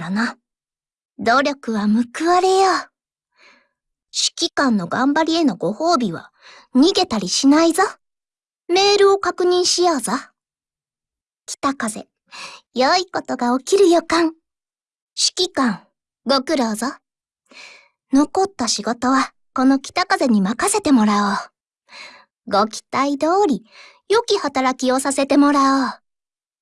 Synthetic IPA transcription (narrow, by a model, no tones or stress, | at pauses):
ana | d̪o̞ːɾʲo̞kɯ̟βamɯ̟kɯ̟βaɾe̞jo | ɕi̥kʲikãnːo̞ɡãmbaɾʲie̞no̞ɡo̞ho̞ːbʲiβ̞a̰ | ɲ̟iɡe̞t̪aɾʲiɕinaiza | me̞ːɾɯ̟o̞kakɯ̟ɲ̟ĩɰ̃ɕijaːza | kʲi̥t̪akaze̞̰ | joiko̞t̪o̞ɡao̞kʲiɾɯ̟jokãŋ | ɕi̥kʲikãŋ | ɡo̞kɯ̟ɾo̞ːzo | no̞ko̞t̪ːaɕiɡo̞t̪o̞βa | ko̞no̞kʲi̥t̪akaze̞ɲ̟imakase̞t̪e̞mo̞ɾao | ɡo̞kʲi̥t̪aid̪o̞ːɾʲi | jo̞kʲihat̪aɾakʲio̞sase̞t̪e̞mo̞ɾao